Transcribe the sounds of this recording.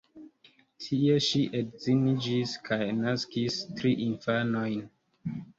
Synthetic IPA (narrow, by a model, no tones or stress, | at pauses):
tʰieʃiʔedzinid͡ʒiskʰajnaskistɾiʔinfanojn